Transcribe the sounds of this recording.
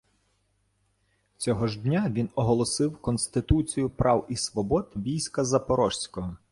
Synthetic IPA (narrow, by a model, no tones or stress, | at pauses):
t͡sʲɔɦɔʒd̪ʲnʲaʋʲinɔɦɔlˠɔsɪwkɔnsʲt̪ɪt̪ut͡sʲijʊpɾʔɑwisʋɔbɔd̪ʋʲijsʲkɐzɐpɔɾɔʃsʲkɔɦɔ